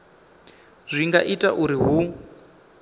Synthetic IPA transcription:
z̥ʷiŋɡaʔitʼaʔuɾiɦu

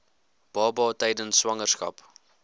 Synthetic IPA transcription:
b̥ɑːbɑːtɛjdənswɐŋərskɐ̰p

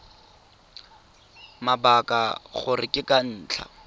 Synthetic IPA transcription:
mabakʼa̰χʊrɪkʼɪkʼan̩ːt͡ɬʰa̰

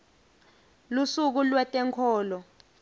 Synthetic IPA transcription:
lusuk̬ulwɛtʼɛŋkʰɔːlɔ

